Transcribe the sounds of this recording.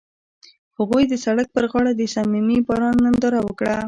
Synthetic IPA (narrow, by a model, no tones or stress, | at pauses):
haɣujd̪əsaɽak̚pəɾɣɑɽad̪əsamimibɑɾɑnːand̪ɑɾawəkɽa